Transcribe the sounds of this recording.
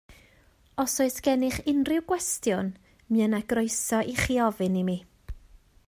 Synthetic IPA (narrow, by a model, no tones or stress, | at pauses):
ɔsɔɨsɡ̥ɛnɪχɪnrɪwɡwɛstjʊn | mɨənaɡrɔɨsɔʔiχiɔvɨnimi